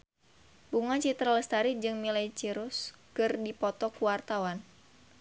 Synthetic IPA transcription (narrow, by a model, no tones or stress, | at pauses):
buŋat͡ʃit̪ɾaləst̪aɾid͡ʒɨŋmilait͡ʃiɾuskɨrdipɔt̪ɔkuwart̪awan